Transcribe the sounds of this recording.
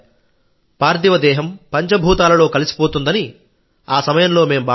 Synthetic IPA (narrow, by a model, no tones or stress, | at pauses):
paːɾd̪iʋɐd̪ɛːɦɐmpɐɲt͡ʃɐbʱuːt̪aːlɐlo̞ːkɐlisi̥poːt̪und̪ɐni | aːsɐmɐjɐmlo̞ːme̞ːmuba